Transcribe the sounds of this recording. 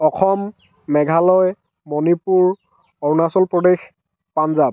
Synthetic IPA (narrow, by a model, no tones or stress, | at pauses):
ɔxʰɔmː | ɛɡʱalɔj | mɔnipuɹ | ɔwnasɔlpɹɔdex | panzab̚